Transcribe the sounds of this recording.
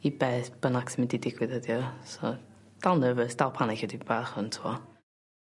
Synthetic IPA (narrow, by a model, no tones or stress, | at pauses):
ibɛːθb̥ənaksəmididɪɡwɪðədjɔsɔ̰ | d̥alˠnəvəsd̥alˠpʰanɪkʰjɛdibaːχʊntʰuɔ